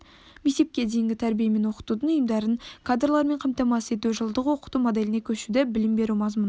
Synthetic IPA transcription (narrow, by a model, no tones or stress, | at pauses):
mese̞p̚kʲe̞d̪ejɪŋɡʲɪt̪ʰæɾbijeme̞nwo̞qə̥t̪ud̪əɴʊjəmd̪ɑɾənkʰad̪rlˠɑɾme̞ɴqʰɑmt̪ɑmɑsəe̞t̪̬uʒəlˠd̪əqwo̞qə̥t̪umod̪e̞lɪne̞kʲʰɵʃud̪ɪbɪlɪmbe̞ɾumɑzmun